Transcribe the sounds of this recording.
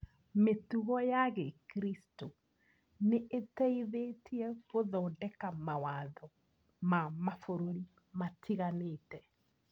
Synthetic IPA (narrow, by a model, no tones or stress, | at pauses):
metuɣɔjaɣekɾisto | neʔetɛiðetʰiɛɣoðɔːndɛkamawaðɔ | mamafoɾoɾi | matʰiɣaneːtɛ